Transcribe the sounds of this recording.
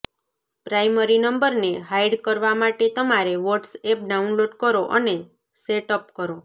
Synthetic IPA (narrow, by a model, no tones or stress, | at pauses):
pɾajməɾinəmbəɾneɦajɖkəɾʋamaʈet̪əmaɾeʋɔʈsep̚ɖaunloʈkəɾoʔəne | seʈəp̚kəɾo